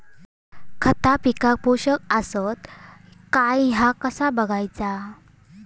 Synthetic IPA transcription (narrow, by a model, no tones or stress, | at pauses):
kʰət̪apikak̚poɕəkəsət̪kajɦakəsabəɡʱajt͡sa